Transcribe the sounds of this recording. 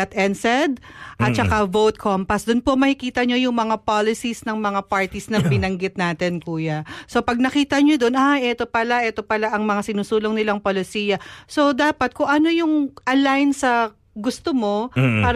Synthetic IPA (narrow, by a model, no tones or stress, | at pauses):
ɐt̪ʔɛnsɛd̪̚ʔɐt̪̚t͡ʃɐkavowt̪̚kʰompɐsd̪ʊnpomɐhɪkiːt̪ɐɲo̞jʊŋmɐŋapalɪsisnɐŋmɐŋapaɹt̪isnɐbɪnɐŋɡɪt̪̚naːt̪ɛnkuːjɐso̞pɐɡ̚nɐkiːt̪ɐɲo̞d̪onʔajʔɛt̪o̞pɐlaʔɛːt̪opɐlaʔɐŋmɐŋasɪnuːsuːloŋnɪlaŋpolɪsiːjɐso̞d̪aːpɐt̪̚kʊŋʔɐno̞jʊŋʔɐlajnsɐ | ɡʊst̪omo̞paːɾ